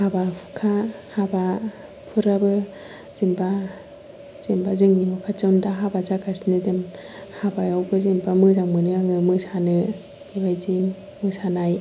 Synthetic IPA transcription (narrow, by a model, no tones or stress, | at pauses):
habapʰu̥kʰahaba | pʰɯɾabɯ | z̥inba | z̥embazɯŋniŋukʰat͡ʃɯwndaɦabazakasnɯdɯm | habajawbɯzinbamɯzaŋmɯnɯaŋɯmɯsanɯ | bibajzimː | ɯsanaj